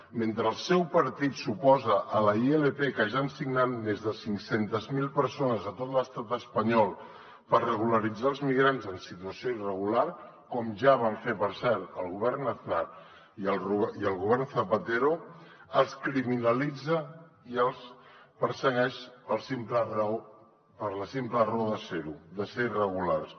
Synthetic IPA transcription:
ment̪ɾəːlˠsɛwpəɾt̪it̪supɔzəʔələielepekəʒansiɡnanmezðəsiŋksent̪əzmilˠpəɾsonəzət̪ot̪ləst̪at̪əspəɲɔlˠ | pərrəɣuləɾid͡zaəlˠzmiɣɾanzənsit̪uəsioirəɣ̞ular | kɔmʒaβ̞aɱfepəɾsɛɾt̪əlˠɣuβɛrnːəθuna | iəlruiəlˠɣuβɛrnθəpət̪eɾo | əlˠskɾiminəlid͡zə | iəlˠspəɾsəɣɛʃpəlˠsimplər | pəɾləsimpləroðəseɾuðəseirəɣ̞ular

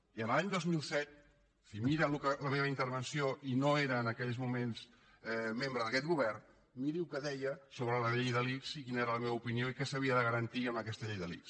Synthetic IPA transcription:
iənlaɲd̪ozmilˠsɛt̪̚ | fimiɾəlukələmeβəint̪əɾβənsioinoeɾəːnəkɛʎzmumens | membɾəðəkɛt̪ɡuβɛrn | miɾiukəðɛjəsoβɾələʎejðəliksikinəeɾələmeβəupinioikɛsəβ̞iəðəɣəɾənt̪iəmbəkɛst̪əʎejðəliks

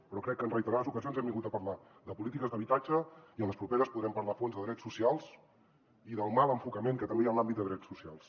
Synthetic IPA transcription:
pəɾɔkɾɛkːənrəjt̪əɾaðəzukəzionzɛmbiŋɡut̪əpəɾla | ðəpulit̪ikəzðəβit̪ad͡ʒəiənləspɾupeɾəspuðɾɛmpəɾlafonzðəðɾɛsːusialˠs | iðəlˠmalˠəɱfukəmeŋkət̪əmbejanlambit̪d̪əðɾɛsusialˠs

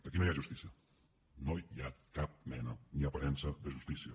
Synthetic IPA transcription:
d̥̪ekinojaʒust̪isiɐ | nojakap̚mɛnɐniɐpɐɾɛnsɐðeʒust̪isiɐ

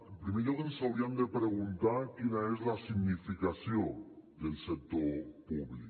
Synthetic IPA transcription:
pɾimeʎoðensawɾiamd̪epɾeɣunt̪akinaezlasiɡnifikasjod̪elsek̚t̪opuβlḭk

